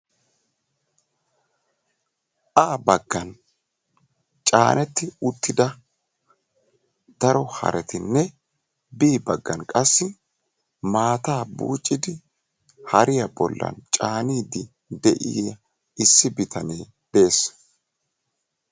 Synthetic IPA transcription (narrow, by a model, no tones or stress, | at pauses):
ʔaːbɐɡːɐn | t͡ʃʼaːnʔɛt̪ːɪʊt̪ːɪd̪ɐ | d̪̥ɐɾɔhɐ̰ɾɛt̪ʰɪnːɛ | biːbɐɡːɐnkʼɐsːɪ | maːt̪aːbṵːt͡ʃʼːɪd̪ɪ | hɐɾɪjɐbɔ̰lːɐ̰nt͡ʃʼaːniːd̪ɪ | d̪ɛʔɪ̰jjɐ | ɪsːɪbɪt̪ʰɐneː | b̥e̞ːs